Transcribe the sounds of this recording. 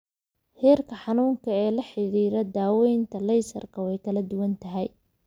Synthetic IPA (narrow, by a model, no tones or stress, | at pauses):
hɛːrkʰɐħɑnuːŋkʰɐɛːlɐħɪɾiːɾɐd̪aːwɛjnt̪ʰɐlɛjsɐ̰rkʰɐwɛjkʰɐlɐd̪ʊwɐnt̪ʰɐɦɛj